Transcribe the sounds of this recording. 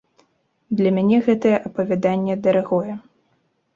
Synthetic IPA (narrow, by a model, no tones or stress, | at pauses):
d̪lʲɐmʲanʲɛɣɛt̪ɐjɛʔɐpɐvʲad̪anʲːɛd̪ɐɾaɣɔjɛ